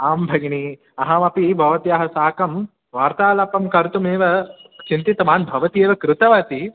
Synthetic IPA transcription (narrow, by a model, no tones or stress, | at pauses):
aːmbʱɐɡni | ɐɦɐmɐpibʱɐʋɐt̪iɐɦɐsaːkɐm | ʋaːɾt̪aːlɐpːɐmkɐɾt̪umeːʋɐt͡ʃint̪it̪ɐmaːnbʱɐʋɐt̪ijeːʋɐkɾut̪ɐʋɐt̪i